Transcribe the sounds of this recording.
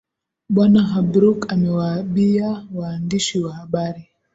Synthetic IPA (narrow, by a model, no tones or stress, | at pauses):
ɓwanaɦabɾukamɛwaːɓiawaːndiʃiwahaɓaɾi